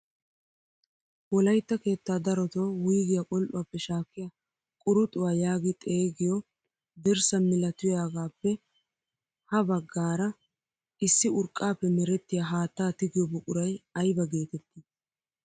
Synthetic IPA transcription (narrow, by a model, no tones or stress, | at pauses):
wɔlɐjt̪ːɐke̞ːt̪ːaːd̪ɐɾɔt̪oːwijɡɪjakʼɔlʔʊwaːpːɛʃaːkːɪja | kʼʊɾʊt̪ʼʊwaːjaːɡɪt̪ʼe̞ːɡɪjɔ | d̪ɛɾsɐmɪlɐt̪ʊjaːɡaːpːɛ | hɐbɐɡːaːɾɐ | ʔɪsːɪʊɾkʼːaːpːɛmɛɾɛt̪ːɪjaɦaːt̪ːaːt̪ɪɡɪjɔbʊkʼʊɾɐjɐjbɐɡe̞ːt̪ɛt̪ːɪ